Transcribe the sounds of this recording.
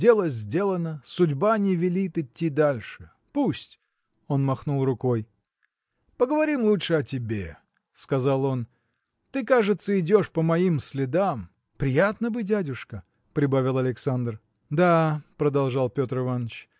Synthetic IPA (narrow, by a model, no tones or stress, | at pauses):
dʲe̞lˠəzʲdʲe̞lˠənəsʊdʲbanʲɪvʲɪlʲit̪ɪtʲːid̪alʲʂɨ | pusʲtʲ | o̞nmɐxnulˠrʊko̞j | pəɡəvɐɾʲimlˠutʂɨɐtʲɪbʲe | skɐzalˠo̞n | t̪ɨkaʐɨt̪səɪdʲo̞ʂpəmɐimsʲlʲɪd̪am | pɾʲɪjat̪nəbɨdʲædʲʊʂkə | pɾʲɪbavʲɪlˠɐlʲɪksand̪r | d̪apɾəd̪ɐlˠʐɑlˠpʲo̞t̪ɾɨvanːət͡ɕ